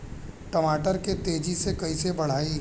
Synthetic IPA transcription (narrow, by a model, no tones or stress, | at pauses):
ʈɐmaːʈəɾket̪eːd͡ʒisekɐisebɐɽ̤aːi